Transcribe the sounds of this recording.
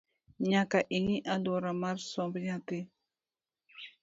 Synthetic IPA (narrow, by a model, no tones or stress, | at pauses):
ɲakaʔiŋiʔaluɾamaɾsobɲat̪i